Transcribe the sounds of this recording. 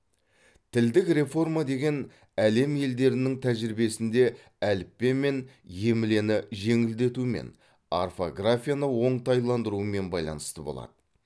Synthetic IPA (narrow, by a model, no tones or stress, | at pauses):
t̪ʰɪld̪ɪkre̞fo̞rmad̪e̞ɡʲe̞n | æle̞mje̞ld̪e̞ɾɪnɪŋt̪ʰæʒɪɾɪbe̞sɪnd̪e̞ | ælɪpːe̞me̞nje̞mɪle̞nɪʒe̞ŋɪld̪e̞t̪umḛn | a̰rfo̞ɡrafʲijanəwo̞ɴt̪ɑjlˠɑnd̪əɾuəme̞nbɑ̰jlˠɑ̰nə̥st̪əbolˠɑ̰d̪ə